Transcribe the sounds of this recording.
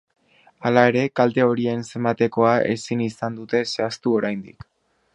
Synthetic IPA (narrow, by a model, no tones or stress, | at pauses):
alae̞ɾe̞kalt̪e̞o̞ɾie̞nse̞mbat̪e̞ko̞aʔe̞̰sinisand̪ut̪e̞se̞ast̪uo̞ɾajnd̪ḭk